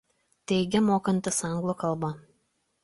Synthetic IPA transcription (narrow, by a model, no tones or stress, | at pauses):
t̪ʲɛɪɡʲɛmoːkɐnʲt̪ʲɪsɑŋɡlˠokɐlˠbɐ